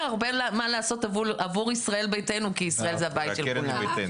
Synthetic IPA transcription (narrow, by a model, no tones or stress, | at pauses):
aʁbelamalaːso̞tavulavuʁisʁae̞lbejte̞nukiːsʁaelzeabajitʃelkuna